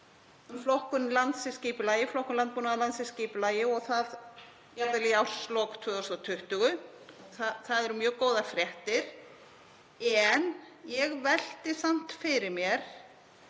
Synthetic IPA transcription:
ʏmflɔhkʏnlant̪sɪscɪːpʏlaːjɪflɔhkʏnlant̪̚punaalant̪sɪsciːpʏlaːjɪɔɣθað | jaɾt̪ɪlɛjawslɔːkt̪ʰœːðɔst̪at̪ʰʏht̪ʏɣʏ | θaθaðɛɾʏmjœːɣkoːwðafɾjɛht̪ɪɾ̥ | ɛn | jɛɣvɛl̥t̪ɪsam̥t̪fɪɾɪɾmjɛɾ̥

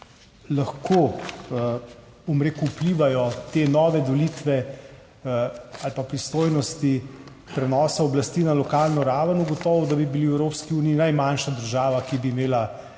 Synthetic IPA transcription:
laxkʰo | bomɾeːkuːpliːʋajɔt̪enɔːʋɛd̪olit̪ʋɛ | alpapɾist̪oːjnɔst̪i | pɾɛnɔːsaɔblast̪iːnalɔkaːlnɔɾaːʋənuɡɔt̪ɔːʋɔd̪abibiliwɛwɾopskiuːniːnajmanʃad̪əɾʒaːʋakibiːmeːla

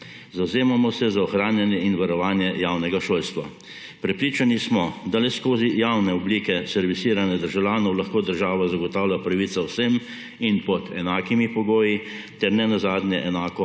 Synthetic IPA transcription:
zawzeːmamɔsɛzaɔxɾaːnjanjɛinʋaɾɔʋaːnjɛjaːwnɛɡaʃoːlst̪ʋa̰ | pɾɛpɾiːt͡ʃanismɔd̪alɛskoːzijawnɛɔbliːkɛsɛɾʋisiːɾanɛd̪əɾʒawlʲjaːnɔwlaxkoːd̪əɾʒaːʋazaɡɔt̪aːwlʲjapɾaʋiːt̪sawsem | inpɔd̪ɛnaːkimipɔɡoːji | t̪ɛɾnɛnazaːd̪njɛʔɛnaːkɔ

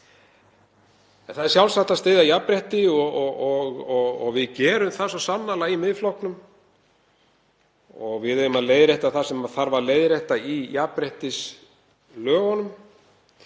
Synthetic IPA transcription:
ɛnθaðɛɾsjawlsaht̪ast̪ɪːðajapɾɛht̪ɪɔɔɔɣɔɣɔɣvɪðcɛːɾʏmθasɔsanːalaimɪðflɔwhknʏm | ɔɣvɪðœjʏmaðleːjðɾejht̪aθasɛmaðθaɾvaɾleːjðɾeht̪aijapɾeht̪ɪs | lœːɣɔnʏm

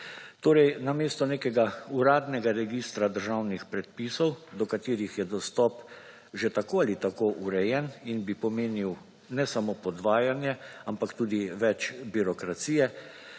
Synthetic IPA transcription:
t̪oːɾɛjnameːst̪ɔneːkɛɡauɾaːd̪nɛɡaɾɛɡiːst̪ɾad̪əɾʒawnixpɾɛt̪pisɔwd̪ɔkat̪iːɾixjɛd̪ɔst̪ɔːp | ʒet̪akoːalit̪akoʔuɾɛjɛninbipɔmeːniw | nɛsamopɔd̪ʋaːjanjɛampakt̪uːd̪iʋɛt͡ʃbiɾɔkɾat̪siːjɛ

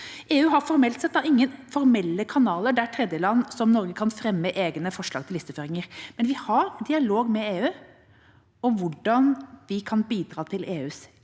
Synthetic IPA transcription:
eːʉːɦɑɾfɔɾmɛlt̪sɛt̪̚d̪ɑɪŋːənfɔɾmɛlːəkʰɑnɑːləɖæʈ̪ʰɾɛd̪jəlɑnːsɔmnɔɾɡəkʰɑnfɾɛmːəʔeːɡnəfɔʂɭɑ̰ːɡt̪ʰɪlɪst̪əføːɾɪŋəɾmɛnʋɪhɑɾd̪ɪɑloːɡmɛeːʉː | ɔʋʊɖɑnʋɪkʰɑnbiːd̪ɾɑːt̪ʰɪlʔeːʉːs

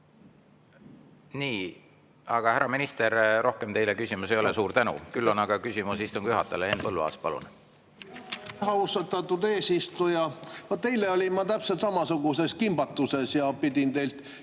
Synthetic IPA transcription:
niː | ɑɡ̥ɑhæɾɑminist̪e̞ɾɾo̞hke̞mt̪e̞jlekysʲimuse̞jo̞le̞suːɾt̪ænṵkylːo̞nɑɡ̥ɑkysʲimusist̪uŋɡ̥jyɦɑt̪ːˑeleenpɤlːuɑ̰ːspɑlṵn | ɦɑust̪ɑt̪ːɑt̪ːud̪eːsist̪ujɑvot̪t̪e̞jleolʲinmɑt̪æpselt̪sɑmɑsuɡ̥use̞skimb̥ɑt̪ːˑuse̞sjɑpid̪̥ʲint̪e̞jlt̪

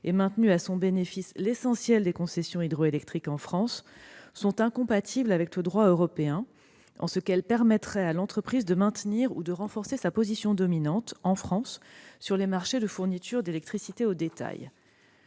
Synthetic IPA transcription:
emɛ̃t̪nyasɔ̃benefislesɑ̃sjɛld̪ekɔ̃sɛsjɔ̃id̪ʁoelɛk̚t̪χikɑ̃fχɑ̃sːɔ̃t̪ɛ̃kɔ̃pat̪ʰiblavɛkləd̪ʁwaøʁɔpeɛ̃ | ʔɑ̰̃səkɛlpɛʁmɛt̪χɛalɑ̃t̪χəpχizd̪əmɛ̃t̪niʁṵd̪əʁɑ̃fɔʁsesapozisjɔ̃d̪ɔminɑ̃t̪ɑ̃fχɑ̃sːyʁlemaʁʃed̪əfuʁnit̪ʰyʁd̪elɛk̚t̪χisit̪eod̪et̪a̰j

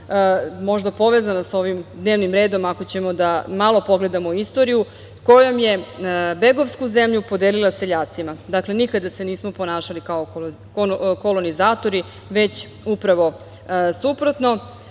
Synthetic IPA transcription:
mo̞ʒd̪apo̞ʋezanasao̞ʋimd̪ne̞ːʋnimɾe̞ːd̪o̞mako̞t͡ɕe̞mo̞d̪amalo̞po̞ɡle̞d̪amo̞ist̪o̞ɾiju | ko̞jo̞mje̞be̞ɡo̞ʋskuze̞mʎupo̞d̪eːlilˠase̞ʎaːt̪simad̪akle̞nikad̪ase̞niːsmo̞po̞naːʃalikao | oko̞lo̞nizaːt̪o̞ɾi | ʋe̞t͡ɕ | upɾaʋo̞ | supɾot̪no̞

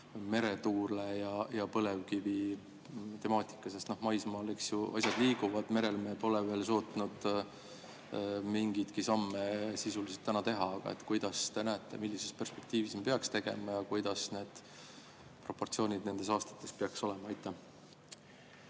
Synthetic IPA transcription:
me̞ɾe̞t̪uːɾlejɑjɑpɤle̞vkivi | t̪e̞mɑːt̪ˑi̥kːˑɑsest̪no̞hmɑjsmɑːleksjuʔɑ̰sʲjɑd̪̥liːɡ̥uvɑd̪̥me̞ɾe̞lme̞ːpo̞leve̞ːlso̞ːt̪nud̪̥ | miŋɡ̥it̪kisɑmːesisuliselt̪ːænɑt̪e̞ɦɑɑɡ̥ɑ̰ḛt̪ːkujd̪̥ɑst̪e̞næet̪ˑːe̞̰milːise̞spe̞rspe̞k̚t̪iːvisipeɑkst̪e̞ɡ̥e̞̰mɑjɑkujd̪̥ɑsne̞ːd̪̥ | pro̞pːo̞rt̪sio̞ːnʲid̪ne̞nd̪̥e̞sɑːst̪ɑ̥t̪ːˑe̞speɑkso̞le̞mɑɑjt̪ːˑæ

